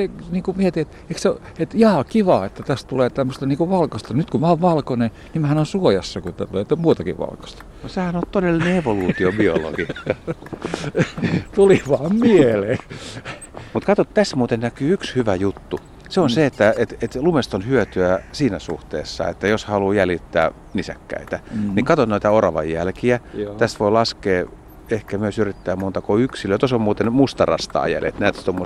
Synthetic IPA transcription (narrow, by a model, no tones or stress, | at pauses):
seniːkumiet̪iːet̪ | ekseoet̪jɑːkiʋɑːet̪ːæt̪æst̪uleːt̪æmːøst̪ɑniːŋkuʋɑlkɑst̪ɑnyt̪kumæːoʋʋɑlkone | nimæhænonsuojɑsːɑkut̪æt̪uleːt̪ːæmuːt̪ɑkḭʋʋɑ̰lkɑ̥st̪ɑ̥nosehænot̪t̪odelːineeʋoluːt̪iobio̰lo̰ɡ̥ikːɑ | t̪uliʋɑːmmieleː | mut̪kɑt̪ot̪t̪æst̪muːt̪ennækyːykshyʋæjut̪ːu | seonseet̪ːæet̪et̪lumest̪onhyøt̪yæsiːnæsṵht̪ḛːsːɑ̰ḛt̪ːæjoshɑluːjælit̪ːæ̰ː | nisæ̰kːæ̰it̪ænikɑt̪otnnoit̪æorɑʋɑ̰jjælkiæt̪æst̪ʋoilɑskeː | ehkæmyøsyrit̪ːæːmont̪ɑkoyksiløːt̪osommuːt̪enmust̪ɑrɑ̰st̪ɑ̰ːjæ̰lḛt̪næːt̪t̪omːo